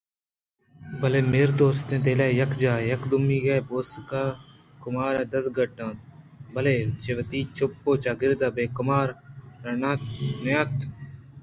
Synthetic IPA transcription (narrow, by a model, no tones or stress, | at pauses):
bɐleːmeːɾd̪oːst̪ẽːt̪̬eːlaːjɐkʰd͡ʒaːjɐkd̪ʊmiːɡeːboːskaː | kʊmaːɾɛ̃ːd̪ɐsɡɐʈːãːt̪̚ | bɐleːt͡ʃeʋɐt̪iːt͡ʃʰopːoːt͡ʃaːɡɪɾd̪aːbeːkʊmaːɾɾɐnanɐjãːt̪ʰ